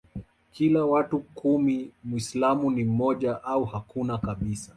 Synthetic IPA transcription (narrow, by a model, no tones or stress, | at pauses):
kilawatukumimwislamunim̩mɔʄaʔauhakunakaɓisa